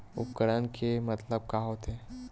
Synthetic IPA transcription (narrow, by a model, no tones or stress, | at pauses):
ʊ̰pkəɽənkʰemɐt̪ləb̚kaɦot̪ɦɛː